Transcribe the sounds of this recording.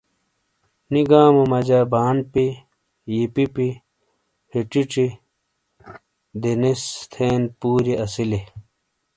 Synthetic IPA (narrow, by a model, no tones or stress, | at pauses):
niɡaːmomɐd͡ʑaːbaːnpi | jipipi | hiʈ͡ʂiʈ͡ʂi | d̪enist̪ʰeːnpuːɾiɐsile